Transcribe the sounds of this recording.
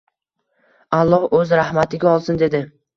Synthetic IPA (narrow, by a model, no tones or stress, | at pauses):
alˠːɒhɵzɾahmat̪ʰɪɡʲaɒlˠsɪnd̪e̞d̪ɪ